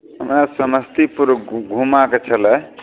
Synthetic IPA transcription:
əmɾasəməst̪ipuɾɡʱumaket͡ʃʰʌlə

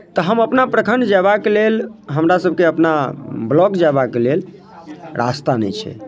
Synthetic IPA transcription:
t̪əɦəməpnapɾəkʰəɳɖd͡ʒabakelelɦəmɾasəb̚ʱkeəpnablɔkd͡ʒabakelel | ɾʔa̰st̪anɛ̰t͡ʃʰɛ̰

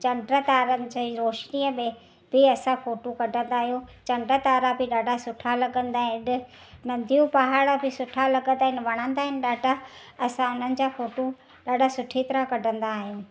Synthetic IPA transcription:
t͡ɕɐ̃ɳɖɾət̪aːɾənɪ̆d͡ʑiɾoːʃniəmẽ | bɪɐsãfoːʈokɐɖʱə̃nd̪aːɦijot͡ɕɐ̃ɳɖɾət̪aːɾabɪɗaːɖʱasʊʈʰalɐɠə̃nd̪aːɦɪ̃ɪɗɪ̆ | nɐ̃nd̪ʱijũpaɦaːɽabɪsʊʈʰalɐɡə̃nd̪aːɦɪnɪʋɐɽ̃ə̃nd̪aːɦɪnɪ̆ɗaːɖʱa | ɐsãʊn̤ənɪ̆d͡ʑaːfoːʈo | ɗaːɖʱasʊʈʰit̪ɪɾakɐɖʱə̃nd̪aːɦijũː

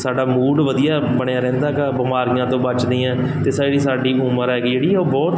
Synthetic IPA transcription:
saːɖaːmuːɖʋəd̪ijaːbəɳjaːɾɛ̃ːnd̪aːkaːbəmaːɾiːãːt̪õːbət͡ʃd̪ĩːãː | t̪eːsaːɽiːsaːɖiːʔʊməɾɛːkid͡ʒeːɽiːoːbɔːt̪

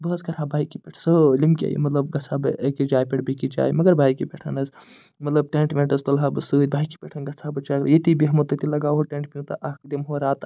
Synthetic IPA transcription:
bəːskɐɾɦãbaːjikipʲeʈʰsɨlimkʲḛːjḭmɐt̪lɐb̚ɡɐt͡sʰabɨkid͡ʒaːjpʲeʈʰbikid͡ʒa̰ːjmɐɡɐɾbʱaːjkipeʈʰɐnɐs | mɐt̪lɐb̚ʈeɳʈmeɳʈɐst̪ɐlɦabɨsɨːɾʲbʱaːiki̥pʲeʈʰɐnɡɐt͡sʰabɨt͡ʃakɾjit̪ibiɦɐmot̪ɐt̪ilɐɡaːwɦoʈẽɳʈ̚pʲinut̪ɐʔɐkd̪imɦoɾaːt̪

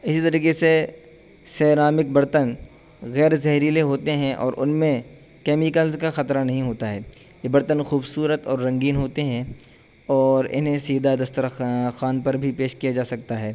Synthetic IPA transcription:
ɪsit̪ɐɾiːkese | sɛːɾaːmɪk̚bɐɾt̪ən | ɣɛːɾzɛɦɾiːleɦoːt̪eɦɛ̃ʔɔ̰ːɾʔʊnmẽ | kɛːmikəlkaxɐt̪ɾanɐɦĩɦoːt̪aɦɛː | jebɐɾt̪ənxuːbsuːɾət̪ɔːɾːɐ̃ŋɡiːnɦoːt̪eɦɛ̃ | ɔːɾɪ̰nɦẽsiːd̪ad̪ɐst̪əɾxaːnpɐɾbʱipeːʃkijad͡ʒaːsɐk̚t̪aɦɛː

